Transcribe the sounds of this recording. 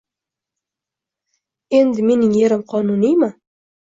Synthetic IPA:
e̞nd̪ɪme̞nɪŋjeɾɪmqʰɒnʊnijmɪ

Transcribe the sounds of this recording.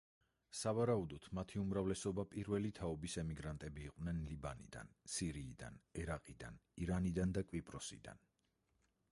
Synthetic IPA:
savaɾaud̪ɔt̪ʰmat̪ʰiumɾavlɛsɔbapʼiɾvɛlit̪ʰaɔbisɛmiɡɾant̪ʼɛbiːqʼnɛnlibanḭd̪a̰nsiɾiːd̪a̰nɛɾaqʼid̪a̰niɾanid̪and̪akʼvwipʼɾɔsḭd̪a̰n

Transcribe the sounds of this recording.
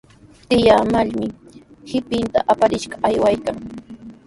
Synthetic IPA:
t̪ɪjaːmaʎmɪhɪpɪnt̪a̰ʔapaɾɪʃɢɑajwajkaŋ

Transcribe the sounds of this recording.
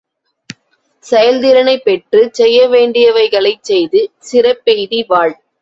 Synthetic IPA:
sɛjɐld̪ɪɾɐnɐɪpːɛʈrɯsɛjːɐʋeːɳɖɪjɐʋɐɪɣɐɭɐɪt͡ʃɛjðɯsɪrɐpːɛjðiʋaːɻ

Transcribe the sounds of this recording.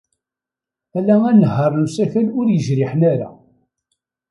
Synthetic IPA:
ælæænəɦːəɾˤnusæçælʊɾjəʒɾɪħnæɾa̰

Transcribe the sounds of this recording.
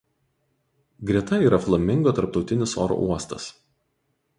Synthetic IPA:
ɡɾʲiɛt̪ɐiːɾɐflˠɐmʲːɪŋɡoːt̪ɐɾp̚t̪ɒʊt̪ʲɪnʲɪso̰ːɾo̰ʔuɔst̪ɐs

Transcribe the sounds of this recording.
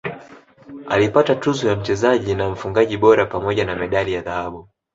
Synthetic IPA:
alipatatuzɔjam̩t͡ʃɛzaʄinam̩fuŋɡaʄiɓɔɾapamɔʄanamɛɗalijaðahaɓu

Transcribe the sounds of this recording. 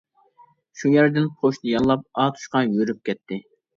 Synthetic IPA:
ʃujɛɾd̪ɪnqʰoʃd̪ɪjɑnlˠɑp̚ɑːt̪ʰu̥ʃqɑjøɾyp̚kʲɛt̪ʰːɪ

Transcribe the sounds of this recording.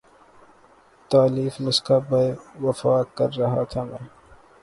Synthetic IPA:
t̪aːliːfmʊskabɐjwɐfaːkɐɾːɐɦat̪ʰamɛ̃ː

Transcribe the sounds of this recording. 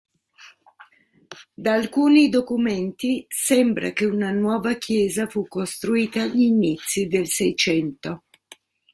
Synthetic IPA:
d̪aːlkuːnid̪okumɛnt̪isɛmbɾa̰k̟eunanwɔːvakʰjɛːzafukːost̪ɾuiːt̪aʎinit̪sːid̪elsɛjt͡ʃɛnt̪o

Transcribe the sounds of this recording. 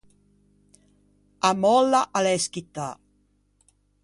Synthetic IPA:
amɔlːaʔaleskit̪a

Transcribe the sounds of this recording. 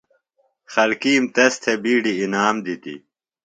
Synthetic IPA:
xɐlkiːmt̪ɐst̪ʰebiːɖiːnaːmd̪it̪ḭ

